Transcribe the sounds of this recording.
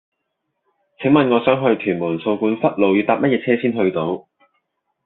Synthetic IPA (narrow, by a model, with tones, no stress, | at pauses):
t͡sʰɪ˨˥ŋmɐ˨nŋɔː˨˧sœː˨˥ŋɦɵ˧ɥt̪ʰyː˨˩nmuː˨˩nso˧wkuː˧nfɐ˥t̚lo˨wjyː˨˧t̪aː˧p̚mɐ˥t̚jɛː˧t͡sʰɛː˥siː˥nɦɵ˧ɥt̪o˨˥w